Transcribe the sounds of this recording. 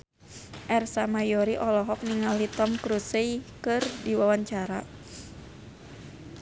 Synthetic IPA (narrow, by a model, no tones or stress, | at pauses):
ʔɛrsamajɔɾiʔɔlɔɦɔk̚niŋalit̪ɔmkɾusejkɨrdiwawaɲt͡ʃaɾa